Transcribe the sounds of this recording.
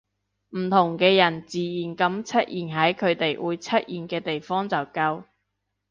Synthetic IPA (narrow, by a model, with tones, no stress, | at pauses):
m̩˨˩t̪ʰʊ˨˩ŋkɛː˧jɐ˨˩nt͡siː˨˩jiː˨˩nkɐ˨˥mt͡sʰɐ˥t̚jiː˨˩nɦɐ˨˥jkʰɵ˨˧ɥt̪e˨jwuː˨˧jt͡sʰɐ˥t̚ʔjiː˨˩nkɛː˧t̪e˨jfɔː˥ŋt͡sɐ˨wkɐ˧w